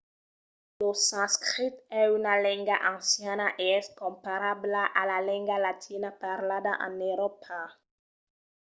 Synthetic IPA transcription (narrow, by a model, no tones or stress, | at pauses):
losãskχit̪ɛynalɛ̃ŋɡaʔɑ̃sjanaʔeɛskɔ̃mpaɾablaʔalalɛ̃ŋɡalat̪ʰinapaʁlad̪aʔã̰neɾɔpʰa